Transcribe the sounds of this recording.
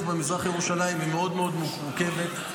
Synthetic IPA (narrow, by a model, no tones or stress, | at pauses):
fbemizʁaχajeʁuʃalaimime̞o̞d̪meo̞d̪muuke̞vet̪